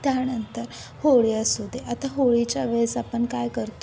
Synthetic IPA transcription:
t̪janənt̪əɾhoɭjasud̪ʱːeʔat̪aɦoɭit͡ɕaʋəsapəɳkajkəɾt̪o

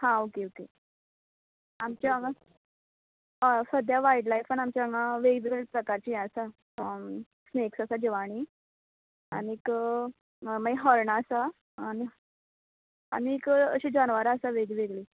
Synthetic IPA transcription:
hãokeoke | amt͡ɕjaəŋɡa | səd̪ʱjaʋaiʈlajfəɳamt͡ɕjaəŋɡaʋeɡʋeɡɭpɾəkaɾt͡ɕijɛ̃əsa | sneksəsad͡ʑeʋaɽ̃i | a̰ñiːk | maɡeɦəɾɳaːsaː | ni | a̰ñiːkəɕid͡ʑanʋaɾaəsaʋeɡiʋeɡɭi

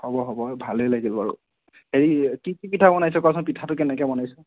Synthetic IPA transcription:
hɔbɔɦɔbɔbʱalejlaɡila̰ɹṵ | eɹikikipitʰabɔnajsɛkasɔnpitʰatʊkɛnɛkɛbɔnajsɛ

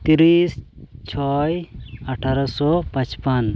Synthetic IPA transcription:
t̪iɾist͡ʃʰɔjɐʈʰaɾɔsɔpãt͡ʃpan

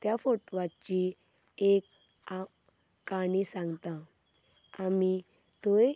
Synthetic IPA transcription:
t̪jafoʈʋat͡ɕiekaː | aɽ̃isãŋɡt̪ã | amit̪oj

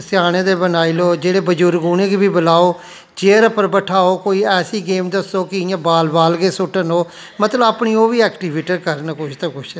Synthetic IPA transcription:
sɪjaːɽ̃ẽːd̪eːbənaːiloːd͡ʒeːɽeːbəd͡ʒuːɾɡuːnẽːɡibiːbəlaːoː | d͡ʒeːɾpəɾbəʈʰaːoːkoːiːɛːsiːɡeːmd̪əsoːkɪɪãːbaːlbaːlɡeːsʊʈənoː | mət̪ləbaːpɳiːoːʋiːɛːkʈiːʋeːʈəɾkəɾnəkʊt͡ʃʰt̪ãːkʊt͡ʃʰː

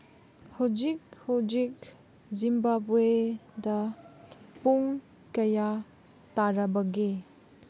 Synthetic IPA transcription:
hud͡ʒik̚hud͡ʒik | zimbabuedɐ | puŋ | kɐja | taɾɐbɐɡe

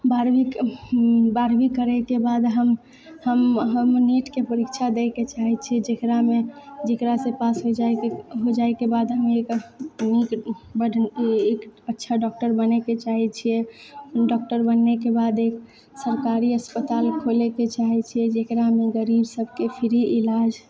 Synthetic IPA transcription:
baɾbik | baɾbikəɾɛkebad̪ɦəm | həmɦəmniʈkepəɾikt͡ʃʰad̪eket͡ʃaɦɛt͡ʃʰiɛd͡ʒekɾamed͡ʒekɾasẽpasɦod͡ʒaɦod͡ʒaekebad̪ɦəmeknikbəekətːʃʰaɖɔk̚ʈəɾbənɛket͡ʃaɦɛt͡ʃʰijɛɖɔk̚ʈəɾbənːekebad̪ek | səɾkaɾiəspət̪alkʰoleket͡ʃaɦɛt͡ʃʰijɛd͡ʒekɾameɡəɾibsəbʱkepʰiɾiʔilad͡ʒ

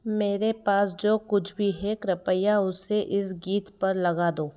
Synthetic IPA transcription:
meːɾepaːsd͡ʒoːkʊt͡ʃʰbʱiɦɛːkɾɐpəjaʊseʔɪsɡiːt̪pɐɾlɐɡaːd̪oː

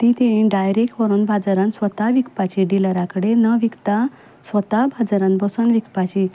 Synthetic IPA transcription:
t̪it̪ẽĩɖajɾekʈʋəɾuːnbʱad͡zaɾãnsʋət̪aʋikpat͡ɕiɖiləɾakəɽenəʋikt̪a | sʋət̪abʱad͡zɾãnbəsunʋikpat͡ɕi

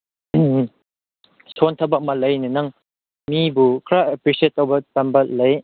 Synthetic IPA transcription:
sʰontʰɐbɐk̚mɐlɐjnɯnɐŋ | mibukʰɾaepɾiset̚ːowbɐtɐmbɐtlɐj

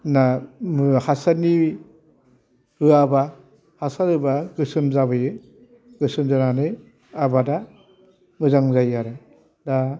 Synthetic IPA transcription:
namɯhasani | ɾɯaba | hasaɾɯbaɡɯsɯmzabɯjɯ | ɡ̥ɯsɯmzananɯ | abada | mɯzaŋzajaɾɯ | da

